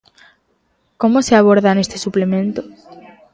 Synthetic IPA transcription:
komoseaβ̞oɾðanest̪e̥suplemẽnt̪o̥

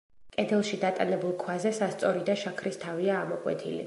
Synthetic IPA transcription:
kʼɛd̪ʰɛlˠʃid̪at̪ʼanɛbulˠkʰwazɛsast̪sʼɔɾid̪aʃakʰɾist̪ʰaviaːmɔkʼwɛ̰t̪ʰḭlḭ

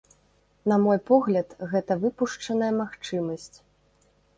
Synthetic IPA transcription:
nɐmɔjpɔɣlʲɐt̪ɣɛt̪ɐvɨpuʂt͡ʂɐnɐjɐmaxt͡ʂɨmɐsʲt͡sʲ

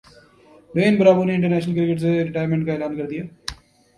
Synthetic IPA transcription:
ɖeːnbəɾaːbəneɪ̃ɳʈəɾnɛːʃnəlkɾɪkəʈseɾɪʈaːjəɾmẽɳʈkaɛːlaːnkəɾd̪ijaː

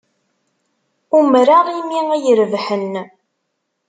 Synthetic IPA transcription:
umɾaʁˤimiæjəɾvħən

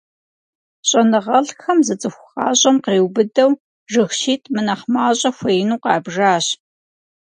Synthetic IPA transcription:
ɕʼɐnɨʁɐɬxɐmzɨt͡sʼɨxʷʊxɑ̰ːɕʼɐmqeːwbɨdɐw | ʐɨxʃiːtʼmɨnɐχmaːɕʼɐxʷɐjnuːqɑːbʐaːɕ

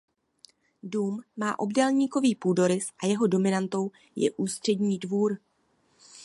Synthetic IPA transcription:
duːmːaːʔo̞bdɛlɲiːko̞viːpuːdo̞ɾɪsʔajɛɦo̞do̞mɪnant̪o̞w | jɛ̰ʔuːst̪r̥ɛdɲiːdvuːɾ

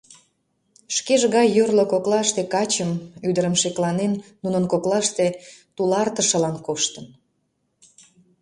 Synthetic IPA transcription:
ʃkeʒɣɑjːørlokoklɑʃt̪ekɑt͡ɕəmyd̪əɾəmʃeklɑnenːunənkoklɑʃt̪et̪ulɑrt̪əʃəlɑnkoʃt̪ən

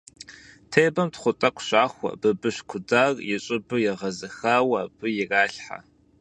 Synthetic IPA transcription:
tʰejbɐmtχʷʊtʼɐkʷʰɕaːxʷɐ̰bɨbɨɕkʷʰʊdaːrjɛɕʼɪbɨjɛʁɐzɨxawɐːb̥ɨjɛraːɬħa̰

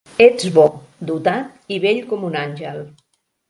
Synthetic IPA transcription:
ed͡zβɔ | d̪ut̪at̪iβeʎkɔmunanʲʒəlˠ

